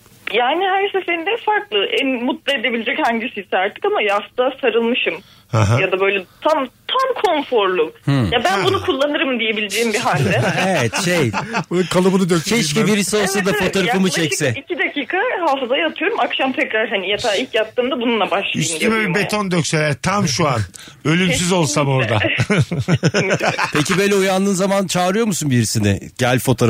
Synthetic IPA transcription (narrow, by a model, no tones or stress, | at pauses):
jaːnihæɾsefeind̪ɛfaɾklˠɯʔænmut̪lˠaed̪ebilʲed͡ʒɛchaɲɟisisaɾt̪ʰːɯ̥kamajaft̪asaɾɯlˠmɯʃɯm | haɦajad̪abø̞jlʲɛt̪ʰamt̪ʰamkʰo̞nfo̞ɾlˠuhjabænbunukʰulˠːanɯɾɯmd̪ije̞bilʲed͡ʒejimbiɦalʲdɛevɛt̪ʃejkʰalˠɯbunɯd̪økt͡ʃʰɛʃciviɾisio̞lˠsad̪afo̞t̪oɾafɯmut͡ʃʰɛcsɛicʰid̪acʰiːkʰahaːfɯzajat̪ʰɯjo̞ɾumakʃamt̪ʰɛcɾaɾɦanijat̪ʰaːilʲcjap̚t̪ʰːɯːmd̪abununlˠabaʃlˠyst̪iymøbbet̪ʰond̪øcselʲæɾt̪ʰamʃuan | ø̞lʲyms̬yzo̞lˠsamo̞ɾd̪a | pʰecibøjlʲɛujanlˠɯːnzamant͡ʃʰaːɾɯjo̞ɾmusunbiɾisinɪ̰ɟælʲfo̞t̪ʰoɾ